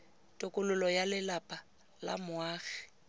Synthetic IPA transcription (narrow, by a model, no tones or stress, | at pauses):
tʼʊkʼʊlʊlɔjalɪlapʼa | la̰mʊwaːɣɛ̥